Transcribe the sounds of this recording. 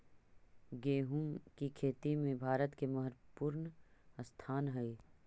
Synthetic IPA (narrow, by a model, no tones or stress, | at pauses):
ɡeːɦuːmkikʰeːt̪imẽbʱaːɾət̪kemɐɦəɾpuːɾnst̪ʰaːnɦɐi